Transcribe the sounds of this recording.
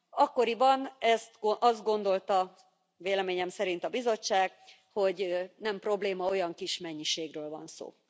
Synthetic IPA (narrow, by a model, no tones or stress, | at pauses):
ɒkːo̞ɾibɒnɛst̪ʔɒzd̪̚ɡo̞nd̪o̞lt̪ɒ | veːlɛmeːɲɛmsɛɾint̪ɒbizo̞t͡ʃːaːɡ̥ | ho̞ɟnɛmpro̞bleːmɒo̞jɒŋkiʃmɛɲːiʃeːɡrøːlvɒ̰nso̰ː